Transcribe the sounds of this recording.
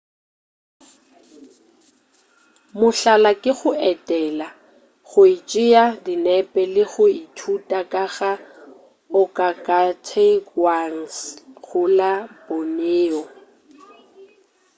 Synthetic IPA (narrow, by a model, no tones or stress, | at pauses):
mʊɬalakʼɪɣʊɛtʼɛla | ɣʊit͡ʃʼɪjadinɛpʼɛlɪɣʊitʰutʼakʼaɣa | ʊkʼakʼatʰekwan̩sɣʊlaboneːɔ